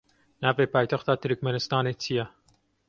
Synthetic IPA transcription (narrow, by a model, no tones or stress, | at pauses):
nɑːveːpɑːjt̪ɐxt̪ɑːt̪ʰɨɾɨkmɛnɨst̪ɑːneːt̪ʰijɛ